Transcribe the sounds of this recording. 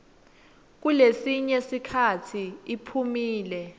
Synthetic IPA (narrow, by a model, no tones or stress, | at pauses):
k̬ulesiɲesikʰatʰiipʰumiːlɛ